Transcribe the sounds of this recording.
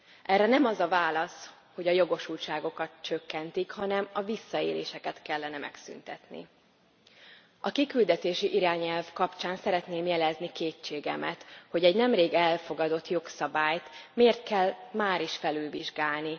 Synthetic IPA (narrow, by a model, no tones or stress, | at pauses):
ʔɛrːɛnɛmɒzɒvaːlɒs | ho̞ɟɒjo̞ɡo̞ʃuːlt͡ʃaːɡo̞kɒt̪t͡ʃøkːɛnt̪ikhɒnɛmɒvisːɒeːleːʃɛkɛt̪kɛlːɛnɛmɛ̰ksy̰nt̪ɛt̪nḭ | ɒkikyld̪ɛt̪eːʃiʔiɾaːɲɛlvkɒpt͡ʃaːnsɛɾɛt̪neːmjɛlɛznikeːt͡ʃːeːɡɛ̰mɛ̰t̪ho̞ɟɛɟnɛmreːɡɛlfo̞ɡɒd̪o̞t̪jo̞ksɒbaːjt̪meːrt̪̚kɛlmaːɾiʃfɛlylviʒɡaːlni